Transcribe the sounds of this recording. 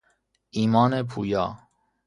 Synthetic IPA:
iːmɑːnepʰuːjɑ̰ː

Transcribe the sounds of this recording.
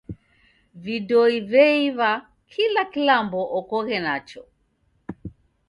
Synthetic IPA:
vidɔivɛiβa | kʰilakilambɔʔɔkɔɣɛnat͡ʃɔ

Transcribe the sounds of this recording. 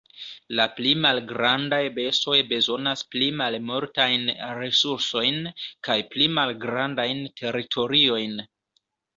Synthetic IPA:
laplimalɡɾandajbe̞sto̞jbe̞zo̞nasplimalmoɾtajnɾe̞suɾso̞jnkajplimalɡɾandajntʰe̞ɾitʰo̞ɾio̞jn

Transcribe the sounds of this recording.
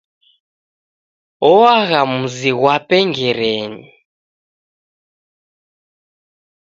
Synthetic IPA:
ɔwaɣamuziɣwapʼɛŋɡɛɾeːni

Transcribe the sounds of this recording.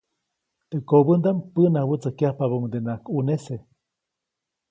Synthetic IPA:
t̪eʔkobənd̪ampənahwət͡səkjahpaβoŋd̪enakunese

